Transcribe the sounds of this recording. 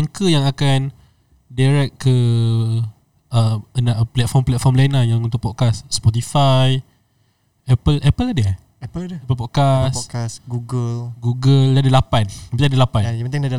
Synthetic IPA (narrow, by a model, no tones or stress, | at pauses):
aŋkəjaŋakan | daɾɛt̚kə | əənaʔplɛt̪̚fɔmplɛt̪̚fɔmlanajaŋunt̪ʊk̚pɔkasspɔt̪̬ifaj | ɛpəlʔɛpəladə | ɛədəɛpəlpɔt̚kaskasɡuɡəlɡuɡəldadəlapanampit̪adəlapanjajapənt̪ɪŋdada